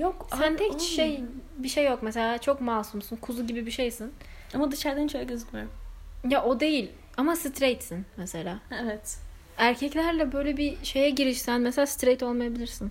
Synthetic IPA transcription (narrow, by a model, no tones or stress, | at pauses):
jokssænt̪ʰɛkʃejbiʃejːo̞kmɛse̞lʲaːt͡ʃʰo̞kmaːsumsunkʰuzuɟibibiʃejsin | amad̪iʃaɾd̪ænt͡ʃʰøjaɟøzycmijoɾmjaʔo̞d̪e̞jilʲ | amasɯt̪ɾejt̪sinmese̞lʲaːevɛt̪ | æɾcʰɛclʲæɾlʲɛbø̞jlʲɛbiʃe̞jɛɟiɾiʃsænmɛselʲaːsɨ̥t̪ɾejt̪ʰo̞lˠmajabilʲiɾsin